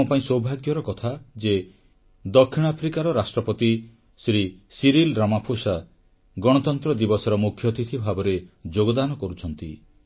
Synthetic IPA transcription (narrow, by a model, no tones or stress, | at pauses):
ɔpaĩsowbʱaɡjɔɾɔkɔt̪ʰad͡ʒe | d̪ɔkʰːiɽ̃apʰɾikaɾɔɾasʈɾɔpɔt̪i | sɾisiɾilɾamapʰosa | ɡɔɽ̃ɔt̪ɔnt̪ɾɔd̪ibɔsɔɾɔmukʰjɔt̪it̪ʰibʱabɔɾed͡ʒoɡɔd̪anɔkɔɾut͡ʃʰɔnt̪ḭ